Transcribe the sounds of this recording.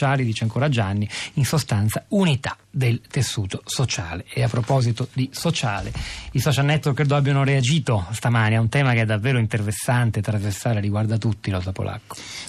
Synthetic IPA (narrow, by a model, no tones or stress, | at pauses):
aːlid̪it͡ʃaŋkoɾad͡ʒanːiinsost̪ant̪saunit̪ḁ | d̪elt̪esːuːt̪osot͡ʃaːleeapːɾopɔːzit̪od̪isot͡ʃaːlḛisɔt͡ʃalnɛt̪ːworkːed̪oabjanoɾead͡ʒiːt̪ost̪amaːniaunt̪ɛːmakeɛd̪ːavːeːɾoint̪ervesːant̪et̪ːɾazversaːɾeɾiɡward̪at̪ut̪ːilɔsapo̰lʔa̰kːo̥